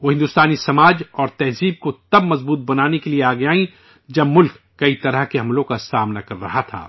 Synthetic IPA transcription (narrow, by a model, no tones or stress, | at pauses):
ʋoːɦɪ̃nd̪ʊst̪aːnisɐmaːd͡ʒɔːɾt̪ɛɦziːb̚kot̪ɐbmɐzbuːt̪̚bɐnaːnekelieaːɡɐjaːĩ | d͡ʒɐbmʊlkːɐit̪ɐɾəɦkeɦɐ̃mlõkasaːmnakɐɾːɐ̰ɦat̪ʰa̰ː